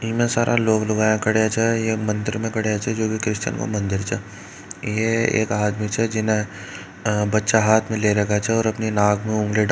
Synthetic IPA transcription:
mẽsaːɾʔaloːɡlɐɡaːjẽkɐɽeat͡ʃʰɛjemɐ̃nd̪ɪɾmẽkɐɽeat͡ʃʰɛd͡ʒoːkikɾɪʃt͡ʃə̰nko̰mɐ̃nd̪ɪɾt͡ʃʰɛ̰ː | jeḛːkaːd̪mit͡ʃʰɛd͡ʒɪnẽ | bɐtːʃaɦaːt̪ʰmẽleɾɐkat͡ʃʰɛɔːɾɐpninaːɡmẽʊ̃ŋɡliɖ

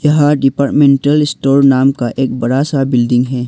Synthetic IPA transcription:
jɐɦãɖɪpaːɾʈmẽːɳʈəlɪsʈoːɾnaːmkaʔeːk̚bɐɽasabɪlɖɪ̃ŋɡɦɛː

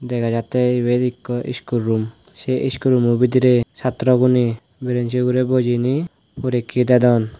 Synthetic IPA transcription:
d̪ɛkʰad͡ʒat̪ebed̪ikːɔʔḭskuɾːum | seʔiskuɾumubid̪iɾesat̪ɾɔɡuni | biɾensiɡuɾebod͡ʒini | poɾikʰːid̪ɛd̪ɔn

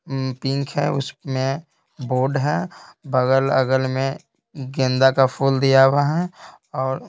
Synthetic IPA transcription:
pɪ̃ŋkʰɦɛʊsmẽ | boːɖɦɛːbəɡələɡəlmẽ | ɡẽːnd̪akapʰuːld̪ijaːwaɦɛ | ɔːɾ

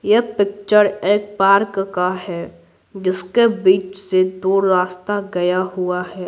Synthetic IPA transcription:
jepɪk̚t͡ʃəɾeːk̚paːɾkkaɦɛː | d͡ʒɪskebiːt͡ʃsed̪oːɽɾaːst̪aɡɐjaɦʊaɦɛː

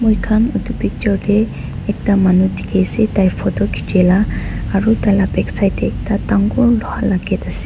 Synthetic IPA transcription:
mujkʰanɔtubik̚d͡ʒɔdɛ | ɛk̚tamanutʰi̥kʰajsɛtajpʰɔtɔkʰi̥d͡ʒɛlaːɹutalabɛksajtɛːk̚tataŋɡɔɹlɔalaɡɛtasɛ

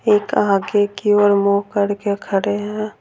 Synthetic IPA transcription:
eːkaːɡekioːɾmoɦkəɾkekʰəɾeɦɛ̃

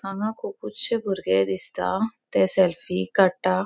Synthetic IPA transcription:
mãŋãkupʊt͡ʃebʱʊɾɡed̪ɪst̪a̰t̪esɛlfikəʈːaː

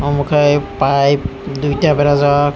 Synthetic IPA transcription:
ɔmɔkʰajpajdujtabɛɾazawa

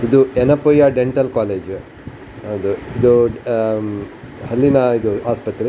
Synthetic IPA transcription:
id̪uenɐpojaːɖeɳʈɐlkaːleːd͡ʒ | ɐd̪uid̪uɖ | hɐlːinɐid̪uaːspɐt̪ɾe

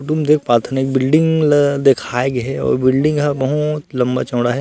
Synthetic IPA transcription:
ʈumd̪eːk̚ʰpaːt̪ʰnɪk̚bɪlɖɪ̃ŋɡd̪ekʰaːeɡɦɛɔ̰ːɾbɪlɖɪ̃ŋɡɦaʋɐɦut̪lɐ̃mba̰t͡ʃɐːɽaɦɛː

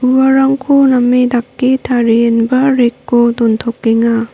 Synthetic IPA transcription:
ubɐɾɐŋkʰonɐmidakːitʰaɾienbɐɾekːodontʰokːeŋa

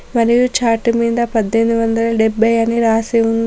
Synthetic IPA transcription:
mɐɾijut͡ʃaːʈːumiːd̪ɐpɐd̪ʱːenuʋɐnd̪ɐlɐɖebːɐjɐniɾaːseund̪

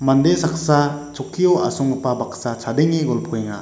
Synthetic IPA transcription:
mandesaksat͡ʃɔkʰːijɔwasɔŋɯpabaksat͡ʃʰadeŋiɡɔlpʰɔjeŋa̰

